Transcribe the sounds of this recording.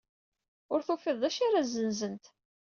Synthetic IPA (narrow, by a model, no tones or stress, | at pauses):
ʊɾθufiðˤæʃaɾazənzənt̪